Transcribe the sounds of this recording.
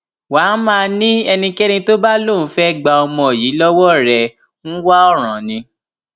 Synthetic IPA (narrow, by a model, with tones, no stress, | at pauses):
wa˨˦mãː˦˧nĩ˦ɛ˧nĩ˧kɛ˦nĩ˧to˦ba˦lo˦˨n˨˦fɛ˦ɡ͡ba˧ɔ˧mɔ̃˧˨ji˨˦lɔ˦wɔ˦ɾɛ˨ | ñ̩˦wa˦ɔ˦˨ɾ̃ã˨nĩ˧